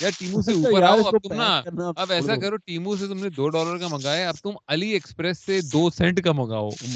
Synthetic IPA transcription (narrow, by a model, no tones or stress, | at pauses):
jaːʈiːmũseuːpəɾaːoɐt̪ʊmnaɐbɛːsakɐɾoʈiːmũs̬et̪ʊmned̪oːɖɔːləɾkamɐɡaːjaɐb̚t̪ʊmɐlieːkspɾɛsːed̪oːsɛ̃ɳʈkamɐɡa̰ːo̰ːʊm